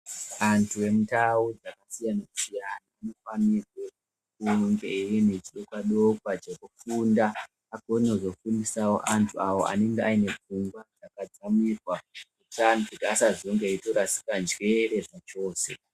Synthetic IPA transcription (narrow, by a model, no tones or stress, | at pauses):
antʰuwe̞mutawud͡zakasijanasijanaːno̞fanirwe̞ | kuŋɡeirinet͡ʃiɗokwaɗokwad͡ʒekufundaː | ɡʱonozo̞fundisawo̞̰ʔantʰuawo̞̰a̰neŋɡeaine̞p͡fuŋɡwad͡zakad͡zamirwakutantukːsaʐoŋɡeito̞ɾasi̥kand͡ʒwere̞ʐat͡ʃo̞ːse̞̰